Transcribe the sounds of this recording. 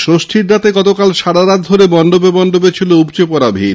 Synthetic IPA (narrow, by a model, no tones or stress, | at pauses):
ʃɾosʈʰiɾɖat̪eɡɔt̪okalʃaɽaɾat̪̚d̪ʱoɾebɔnd̪obebɔnd̪obet͡ɕʰiloupt͡ɕepɔɾabʱḭɾ